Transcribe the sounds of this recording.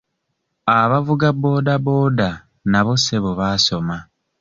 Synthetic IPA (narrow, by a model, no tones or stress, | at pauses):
aβavuɡabo̞ːdabo̞ːda | naβo̞seβoβaso̞ma